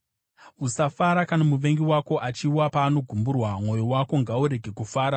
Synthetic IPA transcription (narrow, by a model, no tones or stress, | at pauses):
usafaɾakanamuʋe̞ŋɡiwako̞ʔat͡ʃiwapaːno̞ɡʱumburwamŋo̞jowako̞ŋɡauɾe̞ɡʱe̞kufaːɾa